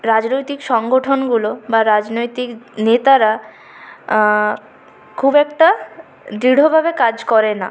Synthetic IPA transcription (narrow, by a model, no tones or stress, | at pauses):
ɾad͡ʑnojt̪ikʃɔŋɡoʈʰonɡulobaɾad͡ʑnojt̪iknet̪aɾa | kʰubɛkʈa | d̪ɾiɽ̤obʱabekad͡ʑkɔɾena̰